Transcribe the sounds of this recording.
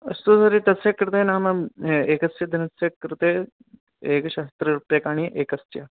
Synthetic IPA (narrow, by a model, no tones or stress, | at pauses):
ɐst̪usɐɾet̪ɐseːkːəɾt̪enaməeːkɐsjɐd̪ɐnɐsekːəɾt̪e | eːkɕaːst̪ɾɐɾupjeːkaːɽ̃iʔeːkɐsjɐ